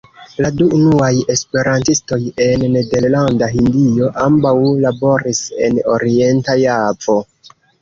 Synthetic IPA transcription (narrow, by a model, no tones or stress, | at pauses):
laduːnuaje̞spe̞ɾantisto̞je̞nːe̞de̞ɾlandaɦindio̞ʔambawlabo̞ɾise̞̰no̞̰ɾie̞ntajavo̞